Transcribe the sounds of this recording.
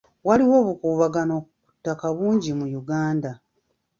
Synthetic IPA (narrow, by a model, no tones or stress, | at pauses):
waliwo̞ːβukuːβaɡano̞ku̥tːakaβuːɲɟimujuɡaːnda